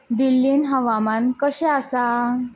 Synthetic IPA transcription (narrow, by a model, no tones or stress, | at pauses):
d̪ilːiːnɦəʋamankəɕɛ̃asa